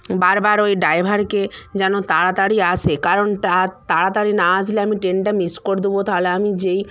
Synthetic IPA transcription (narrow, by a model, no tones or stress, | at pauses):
baɾbaɾojɖajbʱaɾked͡ʑɛnot̪aɽat̪aɽiat͡ɕʰekaɾonʈat̪aɽat̪aɽinad͡ʑleamiʈenʈamiskoɾd̪ubot̪aɦoleamid͡ʑej